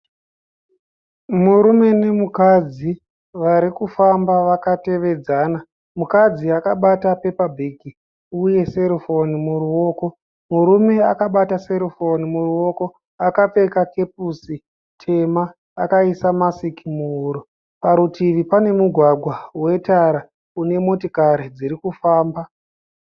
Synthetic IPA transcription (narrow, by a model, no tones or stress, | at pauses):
muɾume̞ne̞mukad͡zi | ʋaɾikufambaʋakate̞ʋe̞d͡zaːna | mukad͡ziakaɓatape̞pabʱeɡi | uje̞se̞ɾifonimuɾuwo̞ːko̞ | muɾume̞akaɓataseɾifonimuruo̞ko̞ | akap͡fe̞kake̞p̚usi | tʰe̞maː | kaisamasikimuːɾu | paɾutiʋipane̞muɡʱwaɡʱwawe̞taɾa | une̞mo̞tikaɾid͡ziɾikufaːmba